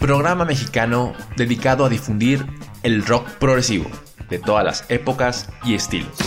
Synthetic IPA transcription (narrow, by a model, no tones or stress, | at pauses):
pɾoɣ̞ɾamame̞xikanoðe̞ðikaðoaðifund̪iɾe̞lro̞kpɾoɣɾesiβo̞̰ | ðe̞t̪o̞ðazla̰se̞po̞kasie̞st̪ḭlo̰s